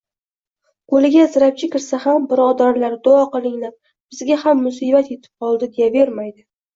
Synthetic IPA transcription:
ɡ̥olɪɡʲazɪɾap̚t͡ʃʰɪkʲʰɪɾsahambɪɾɒd̪aɾlaɾd̪ʊɒqɨlˠɪŋlaɾ | b̥ɪzɡʲahamːʊsibat̪e̞t̪ʰɪ̥p̚qʰɒlˠd̪ɪd̪ejabe̞ɾmajd̪ɪ

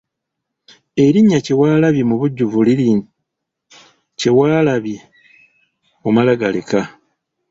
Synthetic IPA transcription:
e̞ɾiɲːace̞waːlaβjemuβuɟːuvulii | cewaːlaβje | omalaɡalḛka

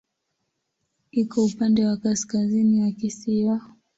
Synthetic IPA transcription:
ikɔupandɛwakaskazinijakisia

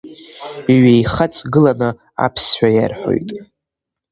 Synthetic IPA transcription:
ɥejχat͡sʼɡɨlanɨ | a̰pʰsħʷᶣaja̰rħo̞̰jtʼ

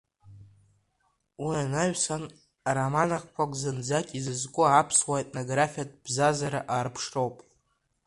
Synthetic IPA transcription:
uanaɥᶣsan | aɾamanaχʷkʷʰakʷʼzɨnd͡zakʲʼizɨzkʷʼʊapʰswaetʼnoɡrafʲijatʼb̥zazaɾaʔaːrpʰʂro̞wpʼ

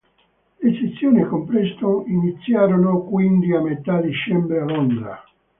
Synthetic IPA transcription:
leset̪sːjoːnikompɾest̪oinit̪sːjaːɾonokwind̪iamːet̪ad̪it͡ʃɛmbɾealond̪ɾa̰

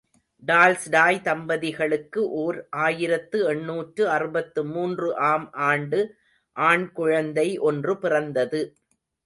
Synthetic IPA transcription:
ɖaːlsɖaːjt̪ɐmbɐðɪɣɐɭɯkːɯʔoːɾʔaːjɪɾɐt̪ːɯɛɳːuːʈrɯɐrɯbɐt̪ːɯmuːndrɯʔaːmʔaːɳɖɯ | ʔaːɳkʊɻɐnd̪ɐɪʔɔndrɯpɪrɐnd̪ɐðɯ

